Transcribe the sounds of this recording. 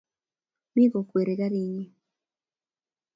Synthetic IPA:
mi˦ɣo˨kwe˨ɾe˨ɣa˦ɾiː˨ɲi˦

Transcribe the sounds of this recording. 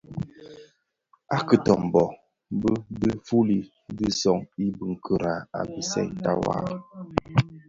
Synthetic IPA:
a˦kə˨tɔ˨m˨bɔ˨ | bə˦də˦fu˦li˨ | di˦sɔ˦˨ŋi˦bə˨ŋ̩˨kʰə˨ɾa˨a̰˨bi˨sɛ̰˦˨ta̰˦wa̰˦ɾ

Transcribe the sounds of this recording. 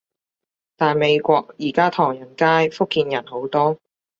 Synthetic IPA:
t̪aː˨nme˨˧jkʷɔː˧k̚jiː˨˩kaː˥t̪ʰɔː˨˩ŋjɐ˨˩nkaː˥jfʊ˥kːiː˧njɐ˨˩nho˨˥wt̪ɔː˥

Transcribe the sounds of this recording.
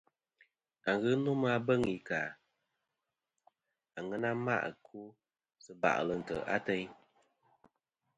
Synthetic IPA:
a˨ŋ˨ɣɨ˦no˦m˦a˦bə˦ŋi˨ka˨ | a˨ŋə˦na˦ma̰˦ʔkʰu˦ | sɨ˦ba̰˨ʔlə˨n̩˨tə̰˨ʔa̰˦tɛ˦ɲ

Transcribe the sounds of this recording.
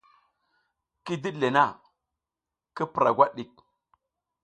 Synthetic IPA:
ki˦di˦le˨na˦˨ | ki˦pɾa̰˨ɡʷa˦ɗɗi˦k̚

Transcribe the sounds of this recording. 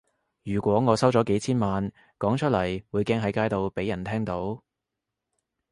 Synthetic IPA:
jyː˨˩kʷwɔː˨˥ŋɔː˨˧sɐ˥wt͡sɔː˨˥ke˨˥jt͡sʰiː˥nmaː˨˧n | kɔː˨˥ŋt͡ʃʰɵ˥t̚lɐ˨˩jwuː˨˧jkɛː˥ŋɦɐ˨˥jkaː˥jt̪o˨˧wpe˨˥jːɐ˨˩nt̪ʰɛː˥ŋt̪o˨˥w

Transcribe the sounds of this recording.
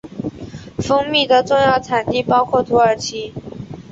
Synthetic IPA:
fɤ˥ŋmi˥˩d̪ə˨ʈ͡ʂʊ˥˧ŋjɑ˥˩ʊt͡sʰa˨˩nt̪i˥˩pɑ˥ʊkʰwɔ˥˩t̪ʰu˧˥ə˞˨˩t͡ɕʰi˥

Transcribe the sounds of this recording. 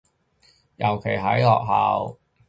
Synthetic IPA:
jɐ˨˩wkʰe˨˩jɦɐ˨˥jlɔː˨k̚ɦaː˨w

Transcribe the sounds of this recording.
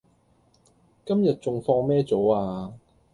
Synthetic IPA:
kɐ˥mjɐ˨t̚t͡sʊ˨ŋfɔː˧ŋmɛː˥t͡so˨˥waː˧

